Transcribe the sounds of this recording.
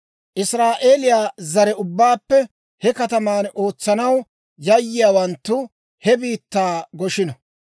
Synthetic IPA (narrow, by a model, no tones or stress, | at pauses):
ʔɪsɾaːʔe̞ːlɪjaːzɐɾɛʊbːaːpːɛ | hɛkɐt̪ɐmaːno̞ːt͡sːɐnɐw | jɐjːɪjaːwɐnt̪ːʊ | hɛbiːt̪ːaːɡɔʃɪnɐ